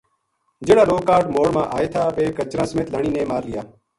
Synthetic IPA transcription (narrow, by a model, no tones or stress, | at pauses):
d͡ʒeːɽaːɾoːkaːɾʈmoːɽmãːʔaːeːt̪ʰaːʋeːkət͡ʃɾãːsəmẽːt̪laːɳ̃iːnẽːmaːɾlɪjaː